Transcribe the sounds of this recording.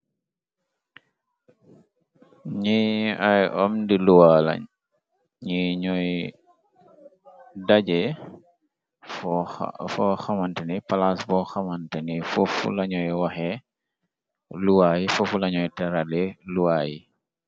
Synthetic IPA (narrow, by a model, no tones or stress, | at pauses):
ɲiajɔmdiluwala̰ɲ | ɲiɲɔj | daɟɛ | fɔxamantənipalasbɔxamantənifufṵlɐɲɔjwaxɛ | luwaːjifufulɐɲɔjtaɾaleluwaːjḭ